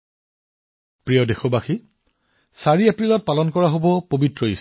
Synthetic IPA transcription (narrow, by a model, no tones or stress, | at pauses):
pɹijɔdexɔbaxi | saɹiapɹilɔt̚palɔnkɔɹaɦobɔpobitɹɔis